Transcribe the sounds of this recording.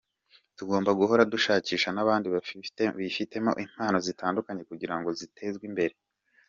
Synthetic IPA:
tuɡo̞ːmbaɡuɦo̞ɾaduʃaːciːʃanaβaːndiββifite̞mo̞̰ʔim̥haːno̞zitaːndukaɲe̞kuɟiɾaŋɡo̞zitʰe̞zɡwimbe̞ɾe̞

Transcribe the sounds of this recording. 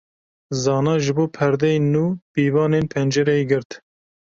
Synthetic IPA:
zɑːnɑːʒɨboːpʰɛɾd̪ɛjnuːb̥iːvɑːneːnpʰɛnd͡ʒɛɾɛeɡɨɾt̪

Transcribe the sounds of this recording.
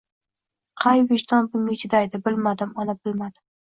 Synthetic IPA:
qʰɑjveʃt̪ɒnbʊŋʲaɪt͡ʃʰɪd̪ajd̪ɪbɪlmad̪ɪmɒnabɪlmad̪ɪm

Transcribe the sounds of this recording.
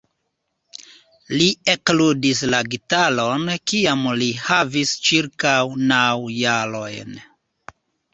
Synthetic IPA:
liekludislaɡitalo̞nkiamlihavist͡ʃiɾkawnawjalo̞jn

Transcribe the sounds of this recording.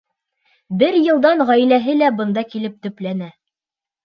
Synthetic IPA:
bɘɾjɤ̆lˠd̪ɑnʁæjlæɦɘlæbɤ̆nd̪ɑkilɘp̚t̪ɵ̆plænæ

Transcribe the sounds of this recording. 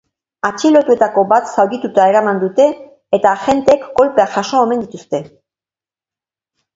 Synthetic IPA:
at͡ʃilo̞t̪ue̞t̪ako̞bat̪sawɣit̪ut̪ae̞ɾamand̪ut̪e̞ː | t̪aːxe̞nt̪eːkːo̞lpe̞aʝaʃo̞ːme̞nd̪it̪ust̪e̞

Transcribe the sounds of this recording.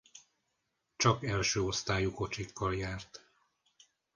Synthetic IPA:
t͡ʃɒkɛlʃøːo̞st̪aːjuko̞t͡ʃikʰːɒljaːrt̪

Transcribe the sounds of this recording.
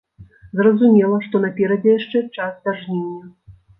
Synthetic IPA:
zrɐzumʲɛlˠɐʂt̪ɔnapʲɛɾɐd͡zʲɛjaʂt͡ʂɛt͡ʂasd̪ʲarʐnʲɛnʲːɐ

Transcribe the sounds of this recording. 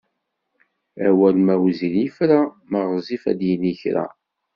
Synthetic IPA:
æwælmæwzinifɾa | məʁzˤifæ̰d̪jəniçɾæ̰

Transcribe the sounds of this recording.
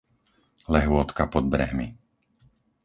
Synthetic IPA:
lɛɦʊɔt̪kapɔd̪̚bɾɛɦmi

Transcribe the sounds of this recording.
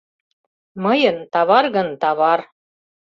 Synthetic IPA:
mɤjɤ̆nt̪ɑβɑrɣɤ̆nt̪ɑβɑr

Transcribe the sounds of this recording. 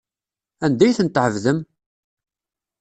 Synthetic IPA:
ænd̪æjθənt̪ːʕəvðəm

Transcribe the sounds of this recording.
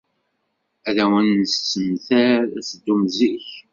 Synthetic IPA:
æðæwənːəst͡sːəmθæɾæsəd̪ːumziç

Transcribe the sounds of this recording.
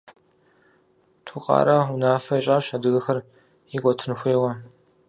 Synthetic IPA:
tʰuqʼɑ̰ːɾɐunaːfɐiɕʼaːɕadɨɣɨxɐr | ikʷʼɔtʰɨnxʷeːʁɐ

